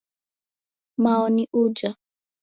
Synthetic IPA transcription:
maɔniʔud͡ʒa

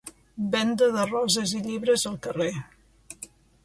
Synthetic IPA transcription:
bɛnd̪əðərɔzəziʎiβɾəzəlˠkəre

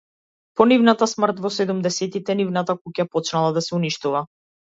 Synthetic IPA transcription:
pɔnivnat̪asmr̩t̪vɔsɛd̪umd̪ɛsɛt̪it̪ɛnivnat̪akucapɔt͡ʃnalˠad̪asɛuniʃt̪uva

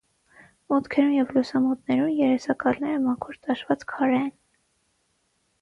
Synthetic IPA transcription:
mɔt̪kʰɛɾumjɛvlusɑmɔt̪nɛɾumjɛɾɛsɑkɑlnɛɾəmɑkʰɔɾt̪ɑʃvɑt͡skʰɑɾɛɛn

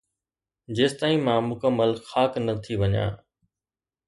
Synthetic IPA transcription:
d͡ʑeːst̪aːĩmãmʊkəmːəlxaːknət̪ʰiʋɐɲã̰ː

